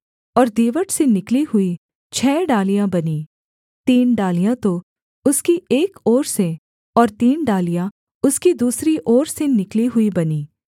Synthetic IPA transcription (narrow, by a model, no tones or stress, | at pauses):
ɔːɾd̪iːʋəʈsenɪkliɦʊi | t͡ʃʰɛːɖaːlijãbɐniː | t̪iːnɖaːlijãt̪o | ʊskieːkɔːɾse | ɔːɾt̪iːnɖaːlijã | ʊskid̪uːsɾiʔɔːɾsenɪkliɦʊibɐniː